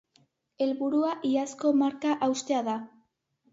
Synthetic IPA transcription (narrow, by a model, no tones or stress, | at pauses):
e̞lβuɾuaʔiasko̞maɾkaʔawst̪e̞aða